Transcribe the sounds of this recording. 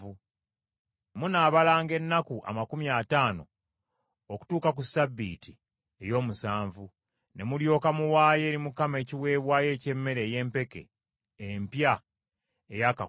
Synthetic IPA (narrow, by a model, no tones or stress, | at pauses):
u | munaːβalaːŋɡe̞nːakuʔa̰makumjaːtaːno̞̰ | oku̥tuːkak̬usabːḭːti | e̞jo̞ːmusaːɱvu | ne̞muljo̞ːkamuwaːje̞ːɾimukame̞ːciwe̞ːβwaːje̞ːce̞mːe̞ɾe̞ːje̞ːmpe̞ke̞̰ː | mpja | ejaka